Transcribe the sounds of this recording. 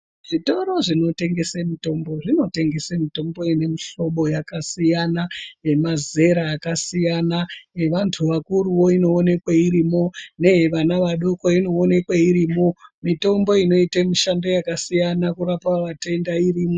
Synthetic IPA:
ʐ̥ito̞ɾo̞ʐino̞te̞ŋɡe̞semito̞mbo̞ʐino̞te̞ŋɡe̞semito̞mbo̞ine̞miʃo̞ɓo̞jakasijanajemaze̞ɾaːkasijanaeʋantʰuʋakuɾuwo̞ino̞ːne̞kwaiɾimo̞ne̞ʋanaʋaɗo̞koino̞ːne̞kwaiɾiːmo̞mito̞mbo̞ino̞itemiʃandojakasijanakuɾapaʋate̞ndairiːmo

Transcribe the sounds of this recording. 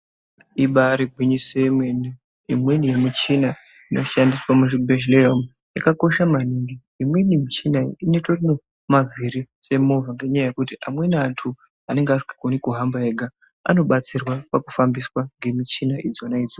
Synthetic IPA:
iɓaɾiɡʱwiɲisemweni | imwenijemut͡ʃina | ino̞ʃandiswamuʐibʱeʃleom | jakako̞ʃamaniŋɡiːmwe̞nimit͡ʃinainetorino̞ | mavʱiɾi | se̞movaŋɡe̞ɲajaje̞kutiʔamwe̞nantʰu | ane̞ŋɡeasi̥kḁkonikuɦambaeɡʱa | a̰no̞ɓat͡sirwapaku̥fambiswaŋɡe̞mit͡ʃinaʔid͡zo̞naid͡zo

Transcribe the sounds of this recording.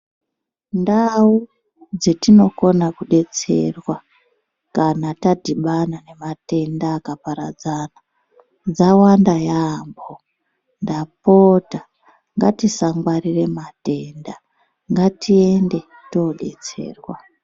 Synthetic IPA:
ndau | d͡zetino̞ko̞nakuɗe̞t͡se̞rwa | kanatadʱiɓanane̞mate̞ndaːkapaɾad͡zana | d͡zawandajambo | ndapota | ŋɡatisaŋɡwarire̞mate̞nda | ŋɡatie̞nde̞ | to̞ɗe̞̰t͡se̞̰ːrwa

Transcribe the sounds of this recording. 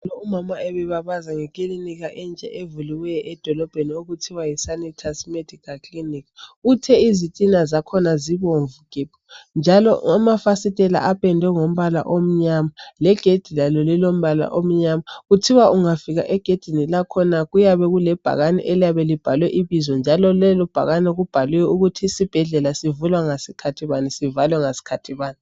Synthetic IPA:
lɔumamaɛβɛβaβazaŋɛkʼiliniɣaʔɛnd͡ʒʱʼɛ̰ʔevuliwɛjʔɛd̥ʱɔlɔb̥ʱenioɣutʰiwajisanitʰasmed̥ʱikʰalkʰʼlinikutʰɛizitʼinazakʰɔnaziβoɱvukʼipʰɔ̥nd͡ʒʱalɔ̰amafasitʼɛla̰ʔapɛndʱɛŋom̩βala̰ʔom̩ɲamalɛɡ̥ʱed̥ʱilalɔlɛlom̩βala̰ʔom̩ɲamaɣutʰiwauŋafiɣa̰ʔɛɡ̥ʱed̥ʱinilakʰɔnaɣujaβɛɣulɛb̥ʱa̰ɣanɛ̰ʔɛlijaβɛlib̥ʱalwɛʔiβizɔnd͡ʒʱalɔlɛlub̥ʱa̰ɣanɛɣub̥ʱaliwɛuɣutʰisib̥ʱɛɮɛlasivulwaŋasikʰatʰiβanisivalwɛŋasi̥kʰatʰiβaːni

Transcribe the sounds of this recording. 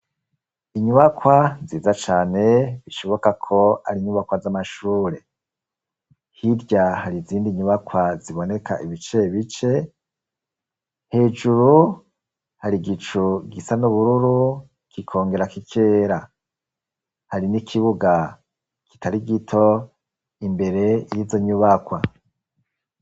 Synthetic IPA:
iɲuβakwaziːzat͡ʃaːne̞βiʃo̞βo̞kakʰo̞a̰ɾiɲuβakwazamaʃuːɾe̞ | hiɾɟahaɾiziːndiɲuβakwaziβo̞ne̞kʰa̰ʔiβit͡ʃe̞βit͡ʃe̞ | he̞ːd͡ʒuɾu | haɾiɡit͡ʃuɡisanuβuɾuɾu | kikʰo̞ːŋɡe̞ɾakikʰe̞ːɾa | haɾinikʰiβuɡa | ki̥tʰaɾiɡitʰo̞ | imbe̞ɾe̞ijizo̞ɲuβakwa

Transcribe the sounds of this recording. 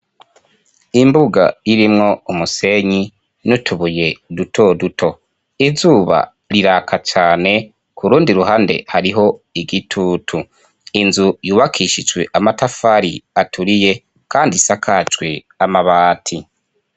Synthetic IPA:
imbuɡa̰jiɾimŋo̞umuse̞ɲi | nutʰuβuje̞dutʰo̞dutʰo̞ | izuːβa̰ | ɾiɾakʰat͡ʃaːne̞ | kuɾuːndiɾuɦaːnde̞̰haɾiɦo̞iɡitʰuːtʰu | inzujuːβakʰiʃid͡ʒɡwe̞̰ʔamatafaɾiatʰuɾije̞ | kaːndisakʰat͡ʃɡwe | amaβaːtʰi

